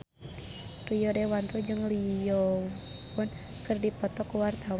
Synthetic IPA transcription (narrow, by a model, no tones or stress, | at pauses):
rijɔdɛwant̪ud͡ʒɨŋlijɔ | pʊn | kɨrdipɔt̪ɔkwart̪aw